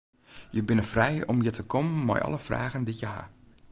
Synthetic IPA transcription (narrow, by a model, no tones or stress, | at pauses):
jəbɪnəfrɛjɔmjətʰəkʰɔmənmɔ̰jʔɑ̰ləfra̰ːɣəndijəɦa̰